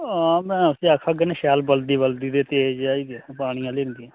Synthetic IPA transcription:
aːmɛ̃ːʊsiakʰaːɡeneʃɛːlbəld̪iːbəld̪iːd̪eːt̪eːd͡ʒaːiːɡepaːɽ̃ɪjãːleːɾɪ̃nd̪ijãː

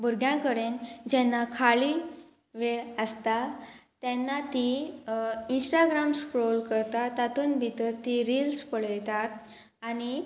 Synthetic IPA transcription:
bʱuɾɡjãkəɽend͡ʑɛnːakʰaɭi | ʋeɭəst̪at̪ɛnːat̪i | insʈaɡɾamskɾolkəɾt̪at̪at̪uːnbʱit̪əɾt̪iɾiːlspəɭjt̪at̪̚ | añi

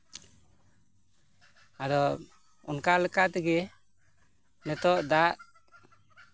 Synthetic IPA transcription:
ad̪ɔ | ɔ̰nkalɛkaʔt̪ɛɡɛ | nɛt̪ɔʔd̪aʔ

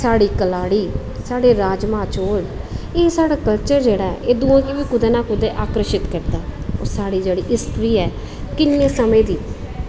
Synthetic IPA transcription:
saːɽiːkəlaːɽiː | saːɽeːɾaːd͡ʒmãːt͡ʃoːleːsaːɽaːkəlt͡ʃəɾd͡ʒeːɽaːɛ̰ʔeːd̪uãːkiʋiːkʊd̪eːnaːkʊd̪eːʔaːkɾəʃɪt̪kəɾd̪aːo̰ːɾsaːɽiːd͡ʒeːɽiːʔɪst̪ɾiːɛː | kɪnːeːsəmẽːd̪iː

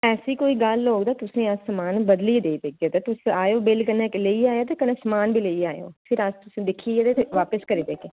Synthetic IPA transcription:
ɛːsiːkoːiːɡəlːoːɡd̪aːt̪ʊsẽːəssəmaːnbəd̪liːd̪eːib̪eːk̚d͡ʒ̪eːt̪eːt̪ʊsaːjoːbɪlkəneːkleiːaːjaːt̪̬eːkənẽːsəmaːnbʱiːleiːaːejo̰ːpʰɪɾəst̪ʊsẽːd̪ɪkʰiːed̪eːt̪eʋaːpəskəɾiːd̪eːkeː

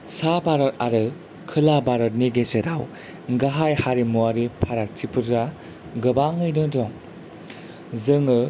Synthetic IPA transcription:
sabaɾɔɾaɾɯ | kʰɯlabaɾɔt̚niɡeseɾaw | ɡaɦajhaɾimuaɾipʰaɾak̚tʰipʰɯɾza | ɡɯbaŋɯjnɯdɔŋ | zɯŋɯ

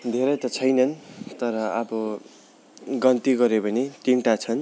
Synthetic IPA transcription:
d̪ʱeɾʌjt̪ʌt͡sʰʌjnʌnt̪ʌɾʌʌbʌ | ɡʌnt̪iɡʌɾebʌnet̪iɳʈat͡sʰʌn

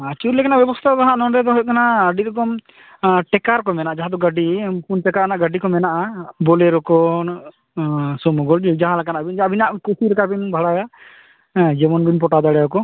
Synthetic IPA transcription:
at͡ʃuɾlɛkanaʔbjɛbɔst̪ʰaɡaɦãʔnɔɳɾɛd̪ɔɦɔjk̪anaəɖiɾɔkɔm | ʈɛkaɾkɔmɛnaʔad͡ʒaɦãd̪ɔɡəɖipunʈɛkaɾnaʔɡaɖikɔmɛnaʔabɔlɛɾɔkɔ | sɔmɔɡɔɽd͡ʒd͡ʒaɦãlakanaʔabind͡ʒabinaʔkusiɾɛkabinbʱaɽaja | d͡ʒɛmɔnɡuɲpɔʈad̪aɽɛɔkɔ

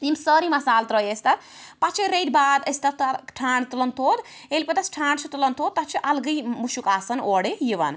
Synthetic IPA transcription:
imsəɾimɐsaːlt̪ɾəjest̪ɐpat͡ʃʰiɾejʈbad̪əst̪ɐt̪ʈʰaːɳɖt̪ulənt̪ʰoːd̪ | elpɐt̪ɐsʈʰaːɳɖt͡ʃʰut̪ulənt̪ʰoːd̪̚t̪at͡ʃʰiʔɐlɡəjmuʃukaːsɐnoɽijiʋɐ̰n

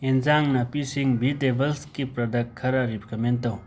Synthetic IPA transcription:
enzaŋnapisiŋbid̪ebəlskipɾad̪akkʰːaɾaɾipkʰament̪ːaw

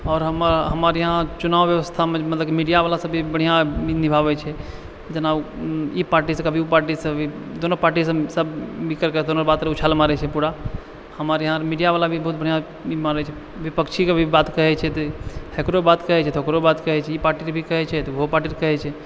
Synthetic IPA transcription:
ɔːɾɦəmɾɦəmaɾjəɦãt͡ʃunaʋjəʋəst̪ʰamẽmət̪ləbkimiɖijaʋalasəbʱibəɽ̤ijãbʱinibʱabɛt͡ʃʰɛ | kit̪ənaipaɾʈisə̃kəbʱiupaɾʈisə̃bʱid̪onəpaɾʈisə̃səbmikəɾkəd̪onəɾbat̪ɾeut͡ʃʰalmaɾɛt͡ʃʰɛpuɽa | həmaɾjəɦãɾmiɖijaʋalabʱibəɦut̪̚bəɽ̤ijã | imaɾɛt͡ʃʰɛ | ʋipəkt͡ʃʰikebʱibat̪kəɦɛt͡ʃʰɛt̪ɔhekɾobat̪kəɦɛt͡ʃʰɛt̪ʰokɾobat̪kəɦɛt͡ʃʰɛipaɾʈiɾbʱikəɦɛt͡ʃʰɛt̪ɔɦopaɾʈiɾkəɦɛt͡ʃʰɛ

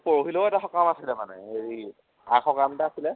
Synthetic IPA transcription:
poɹoɦiloʊɛtaxɔkamasilɛmanɛ̰eɹi | akɔkamtaasilɛ

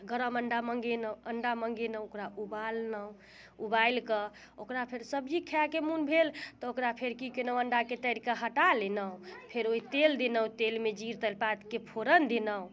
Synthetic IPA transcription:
ɡəɾəməɳɖaməŋɡenəuəɳɖaməŋɡenəokɾaubalnəũ | ubajlkə | okɾapʰeɾsəbd͡ʒikʰakemunbʱelt̪ɔokɾapʰeɾkikenəw̃əɳɖaket̪əɾikaɦəʈalenəũpʰeɾoɦit̪eld̪enəũt̪elmed͡ʒiɾt̪əlpat̪kepʰoɾənd̪enəũ

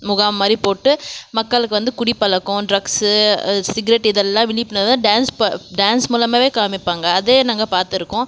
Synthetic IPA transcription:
mʊɣaːʋɐmaːd̪ɾipoːʈːɯmɐkːɐɭɯkːɯʋɐnd̪ɯkʊɽipːɐlɐkːʊ̃ɖɾɐks | sɪɡɐɾɛʈːɪðɛlːãːʋɪɳːɪpːɪnɐt̪ãːɖaːnspɐɖaːnsmuːlɐmaːʋeːkaːmɪpːaːŋɡɐːðeːnɐŋɡɐpaːɾt̪ɪɾɯkːʊ̃

